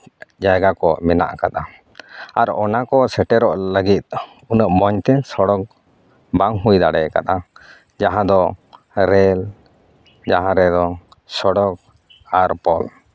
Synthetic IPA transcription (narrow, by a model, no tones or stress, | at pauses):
d͡ʒajɡakɔmɛna̰ʔkat̪a | aɾɔnakɔsɛʈɛɾɔʔləɡit̪̚ | unəʔmɔɲt̪ɛsɔɽɔk̚ | baŋɦujd̪aɽɛka̰t̪a | d͡ʒaɦãd̪ɔ | ɾɛl | d͡ʒaɦãɾɛd̪ɔ | sɔɽɔk̚ | aɾpɔl